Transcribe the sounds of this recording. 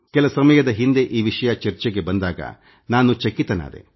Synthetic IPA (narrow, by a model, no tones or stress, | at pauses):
kɛlɐsɐmɐjɐd̪ɐɦind̪eʔiːʋiʂɐjɐt͡ʃɐɾt͡ʃeɡe̞bɐnd̪aːɡɐ̰ | naːnut͡ʃɐkːit̪ɐna̰ːd̪e̞̰